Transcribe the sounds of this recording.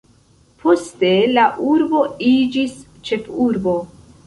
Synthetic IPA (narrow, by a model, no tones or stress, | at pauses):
pʰo̞ste̞laʔuɾbo̞id͡ʒis | t͡ʃe̞fuɾbo̞